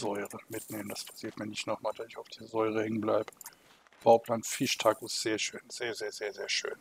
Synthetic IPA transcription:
zɔʏʁəmɪtneːmən̩d̥aspʰḁsiːɐtmiːɐnɪçtnɔχmaːld̥aːɪçaʊfd̥iːɐzɔʏʁəhɛŋənblaɪbə | b̥aʊpʰlaːnfɪʃtʰakusz̥eːɐʃøːnz̥eːɐzeːɐzeːɐzeːɐʃø̰ːn

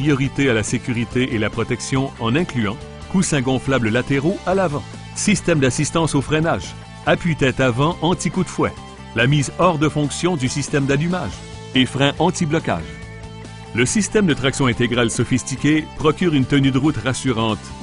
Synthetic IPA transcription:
ʁijɔʁit̪ealasekʲyʁit̪eʔelapχɔt̪ɛksjɔ̃ɑ̃nɛ̃klyɑ̃ | kusɛ̃ɡɔ̃flabləlat̪eʁoalavɑ̃ | sist̪ɛmd̪asist̪ɑ̃sofʁɛ̃naːʒ | apɥit̪ɛt̪avɑ̃ʔɑ̃t̪ikud̪fwɛ | lamiːzɔʁd̪əfɔ̃ksjɔ̃d̪ysist̪ɛmd̪alymaːʒ | efʁɛ̃ʔɑ̃t̪iblɔkʲa̰ːʒ | ləsist̪ɛmd̪ət̪ʁaksjɔ̃ɛ̃t̪eɡʁalsɔfist̪ikʲepχɔkʲyʁynt̪ənyd̪əʁut̪ʁasyʁɑ̃t̪

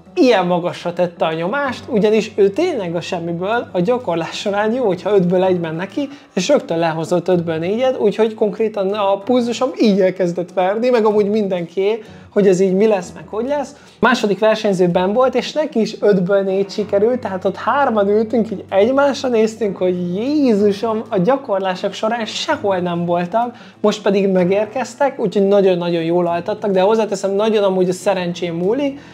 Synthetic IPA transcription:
ijɛmːɒɡɒʃːɒt̪ɛt̪ːɛɒɲo̞maːʃt̪uɟɒniʃøːt̪eːɲlɛɡɒʃɛmːibøːlɒɟɒko̞rlaːʃoɾaːɲjoːhocʰhɒød̪bøːlɛɟmɛnːɛki | eːʃrøk̚t̪ølɛɦo̞zo̞t̪ːød̪bølneːɟɛt̪uːcho̞cko̞ŋkreːt̪ɒnɒpulzuʃo̞miːɟɛlkɛzd̪ɛt̪ʋɛrnimɛɡɒmuːɟmind̪ɛŋkieː | ho̞ɟɛziːɟmilɛsːmɛkho̞ɟlɛs | maːʃo̞d̪ikʋɛrʃɛɲzøːbɛɱvo̞lt̪eːʃnɛkiːʃød̪bølneːt̪ʃikɛɾylt̪ːɛɦaːt̪o̞t̪haːrmɒnylt̪yŋkiɟɛɟmaːʃrɒneːst̪yŋkho̞ɟjeːzuʃo̞mɒɟɒko̞rlaːʃo̞kʃo̞ɾaːnʃɛho̞lnɛɱvo̞lt̪ɒk | mo̞ʃt̪̚pɛd̪iɡmɛɡeːrkɛst̪ɛkuːcho̞ɟnɒɟo̞nːɒɟo̞njoːlɒlt̪ɒt̪ːɒɡd̪ɛho̞zːaːt̪ɛsɛmnɒɟo̞nɒmuːɟɒsɛɾɛnt͡ʃeːmːuːlik

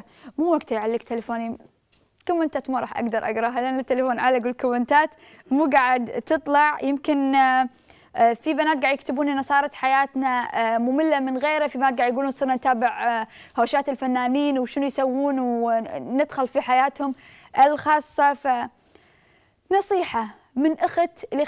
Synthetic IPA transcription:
muːwaɡt̪ajʕalːik̚t̪alafoːni | kʊmːɪnt̪aːt̪muːɾˤɑːħʔa̰ɡd̪ɑɾˤʔa̰ɡɾˤɑɦalɪʔanːɪt̪ːalafoːnʕalaɡwɪlkʊwɪnt̪aːt̪ | muːɡaːʕɪd̪t̪ɨt̪ˤlɑʕjɪmkɪn | fibanaːt̪̚ɡaʕdjɪkt̪ɪbuːninɑsˤɑːɾˤɑt̪ħajaːt̪namʊmɪlːamɪnɣeːɾafibanaːt̪ɡaʕd̪jɡuːluːnsˤɨːɾnant̪aːbɪʕhoːʃaːt̪ɪlfanːaːniːnwʃɪnujsawːuːnwnɪd̪xʊlfiħajaːt̪hʊm | ʔɪlxɑːsˤːɑfa | nɑsˤiːħa | mɪnʔaxat̪li

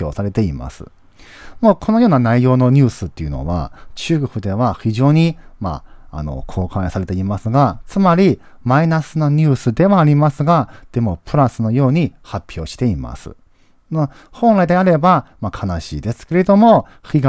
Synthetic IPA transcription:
oːsaɾe̞t̪e̞ima̰sɨ̰ | mo̞ːkʰo̞no̞jo̞ːnanaijo̞ːno̞ɲ̟ɨːsɨt̪ːe̞jɯ̟̰no̞̰βa̰t͡ɕɨːkɯɸɯ̟d̪e̞βaçiʑo̞ːɲ̟ima̰ːno̞̰kʰo̞ːkãɰ̃saɾe̞t̪e̞imasɨɡat͡sɨmaɾʲi | mainasɨno̞ɲ̟ɨːsɨd̪e̞βaːɾʲimasɨɡad̪̥e̞mo̞pɯ̟ɾasɨno̞jo̞ːɲ̟ihapʲːjo̞ːɕi̥t̪e̞ima̰sɨ̰ | o | hõ̞ñɾaid̪e̞aɾe̞bamakʰanaɕiːd̪e̞sɨ̥ke̞ɾe̞d̪o̞mo̞ | çʲiɡa

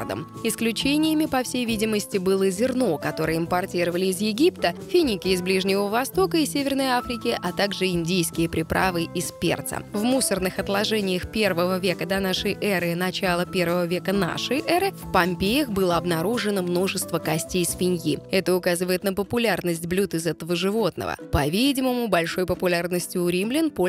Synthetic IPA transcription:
d̪ə̰m | ɪsklʲʉt͡ɕenʲɪjəmʲɪpɐfsʲejvʲidʲɪməsʲtʲɪbɨlˠəzʲɪrno̞kɐt̪o̞ɾɨjəɪmpɐrtʲiɾəvəlʲɪːzjɪɡʲipt̪əfʲɪnʲɪkʲɪɪzblʲiʐnʲɪvəvɐst̪o̞kəisʲevʲɪrnəjafɾʲɪkʲɪʔɐt̪aɡʐɨɪnʲdʲijskʲɪjəpɾʲɪpɾʔavɨʔɪspʲḛrt̪sə̰vmusərnɨxɐt̪lˠɐʐɛnʲɪjəxpʲe̞rvəvəvʲe̞kəd̪ɐnaʂɨjʔɛɾɨnɐt͡ɕalˠəpʲe̞rvəvəvʲe̞kəna̰ʂəjʔɛɾɨfpɐmʲpʲejəxbɨlˠəɐbnɐɾuʐɨnəmno̞ʐɨst̪vəkɐsʲtʲejsfʲɪnʲjiɛt̪əʊkazɨvəjɪt̪nəpəpʊlʲarnəsʲtʲblʲut̪ɨzɛt̪əvəʐɨvo̞t̪nə̰və̰pɐvʲidʲɪməmʊbɐlʲʂo̞jpəpʊlʲarnəsʲtʲɪʊɾʲimlʲɪnpo

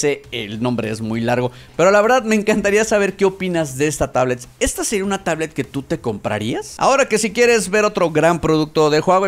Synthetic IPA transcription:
seelnõ̞mbɾe̞̰ezmujlaɾɣo̞ | pe̞ɾolaβe̞ɾðaðme̞ːŋkant̪aɾiasaβ̞e̞ɾke̞o̞pinazðe̞est̪at̪aβle̞t̪e̞st̪aseɾiaunat̪aβle̞t̪̚ke̞t̪ut̪e̞ko̞mpɾa̰ɾiasa̰o̞ɾake̞sikje̞ɾe̞zβe̞ɾo̞t̪ɾo̞ɣɾampɾo̞ðuk̚t̪o̞ðe̞xweɣo

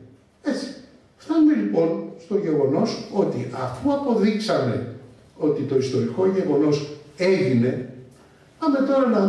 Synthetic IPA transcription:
e̞t͡si̥ | ft̪ɐnome̞lipo̞nst̪o̞ʝe̞ɣo̞no̞so̞t̪iʔɐ̰fuɐpo̞ðiksɐme̞ | o̞t̪it̪o̞ist̪o̞ɾiko̞ʝe̞ɣo̞no̞se̞ʝine̞ | pɐme̞t̪o̞ɾɐnɐ

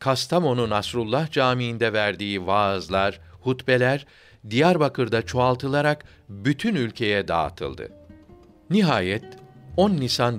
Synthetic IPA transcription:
kʰast̪ʰamo̞nunasɾulˠːahd͡ʒaːmiːnd̪ɛvæɾd̪iːvaːzlˠaɾhut̪belʲæɾ | d̪ijaɾbakʰɯɾd̪at͡ʃʰoalˠt̪ʰɯlˠaɾak | byt̪ʰynylʲcʰe̞jɛd̪a̰ːt̪ʰɯ̰lˠd̪ɯ̰ | niɦaːjɛt̪onːisan

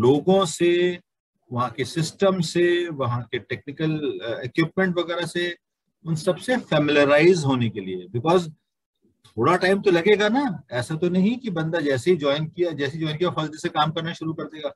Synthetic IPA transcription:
loːɡõse | ʋɐɦãkesɪsʈəmseʋɐɦãkeʈɛːk̚nɪkəlekwɪp̚mɛ̃ɳʈʋɐɣɛːɾase | ʊnsɐbsefɛːmɪljəɾaːɪzɦoːnekeliḛbɪkɔːz | t̪ʰoːɽaʈaːɪmt̪olɐɡeːɡanaɛːsat̪onɐɦĩkibɐ̃nd̪ad͡ʒɛːseɦid͡ʒɔːɪnkijad͡ʒɛːseid͡ʒɔːɪnkijafɐzd͡ʒɛsekaːmkɐɾnaʃʊɾukɐɾd̪eːɡaː

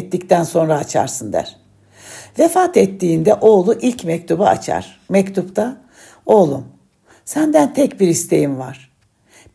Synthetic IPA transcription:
t̪ːict̪ʰænso̞nɾaːt͡ʃʰa̰ɾsɯnd̪æ̰ɾ̥ | vefaːt̪ɛt̪ːiːnd̪ɛʔo̞ːlˠuʔilʲcmɛc̚t̪ʰubaa̰t͡ʃʰa̰ɾ̥ | mɛct̪ʰupt̪ʰa | o̞lˠum | sænd̪ænt̪ʰɛcbiɾist̪ʰejimvaɾ̥

